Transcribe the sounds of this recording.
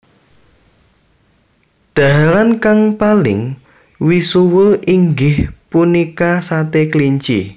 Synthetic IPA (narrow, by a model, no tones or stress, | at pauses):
ɖ̥a̤ɦaɾankaŋpalɪŋ | wisuwəʔiŋɡɪhpunikasat̪ekliɲt͡ʃḭ